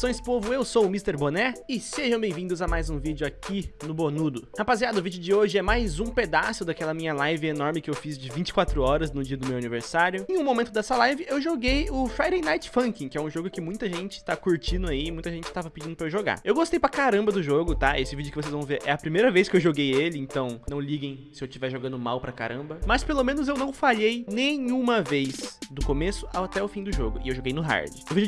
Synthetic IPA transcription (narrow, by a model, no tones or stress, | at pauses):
sõj̃spovʊewsoʊmist̪eɾbonɛɪseʒɐ̃w̃bẽj̃vĩd̪ʊzamajzũvid͡ʒʊakinʊbonud̪ʊhapaziad̪ʊvid͡ʒɪʊd͡ʒɪoʒɪɛmajzũped̪asʊd̪akɛlɐmĩɲɐlajvɪenɔɾmɪkɪewfizd͡ʒɪvĩnt͡ʃɪ̥kwat̪ɾʊɔɾɐznʊd͡ʒiɐd̪ʊmewaniveɾsaɾjʊẽj̃ũmomẽnt̪ʊd̪ɛsɐlajvɪewʒoɡejʊfajɾẽjnajt͡ʃɪ̥fɐ̃ŋkĩkɪɛũʒoɡʊkɪmũj̃t̪ɐʒẽnt͡ʃɪ̥t̪akuɾt͡ʃĩnd̪ʊaiɪmũj̃t̪ɐʒẽnt͡ʃɪ̥t̪avɐpɪd͡ʒĩd̪ʊpɾɐewʒoɡa̰ewɡost̪ejpɾɐkaɾɐ̃mbɐd̪ʊʒoɡʊt̪aesɪvid͡ʒʊkɪvosezvɐ̃w̃veɾʔɛɐpɾimejɾɐvejskɪewʒoɡejelɪẽnt̪ɐ̃w̃nɐ̃w̃liɡẽj̃sɪewt͡ʃivɛɾʒoɡɐ̃nd̪ʊmawpɾɐka̰ɾɐ̃mbɐmɐspelomẽnʊzewnɐ̃w̃faʎejnẽjũmɐvejzd̪ʊkomesʊat̪ɛʊfĩd̪ʊʒoɡʊɪewʒoɡejnʊɦa̰ɾd͡ʒɪwvid͡ʒʊ